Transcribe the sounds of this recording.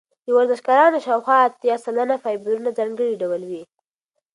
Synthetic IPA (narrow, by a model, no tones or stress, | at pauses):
d̪əwaɾzɪʃkɑɾɑnoʃɑwxwɑːt̪jɑsalanafɑjbəɾunad͡zɑŋɡəɽiɖawəlwi